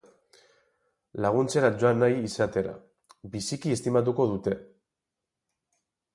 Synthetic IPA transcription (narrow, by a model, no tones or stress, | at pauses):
laɣ̞unt͡se̞ɾad͡ʒoanajisat̪e̞ɾa̰ | bisikie̞st̪imat̪̬uko̞ð̞ut̪e̞